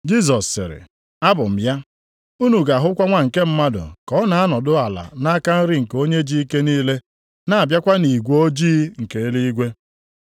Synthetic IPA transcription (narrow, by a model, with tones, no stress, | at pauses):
d͡ʒi˦z̬ɔ˨sːɪ̰˨ɾɪ̰˨ | a˦bʊ˨m̩˨ja˦ | u˦nu˨ɡa˨ɦʊ˦kʷa˦ŋʷa˨ŋ̩˨ke˦m̩˦ma˦dʊ̰˨kɔ˦na˨a˦nɔ˨dʊ˦a˨la̰˨na˦ka˦n̩˦ɾɪ˦ŋ̩˨ko˦ɲe˦d͡ʒi˦i˦ke˦niː˦le˦ | na˨a˨bja˦kʷa˦ni˨ɡʷo˦d͡ʒiː˦ŋ̩˨ke˨e˦li˦i˦ɡʷe˦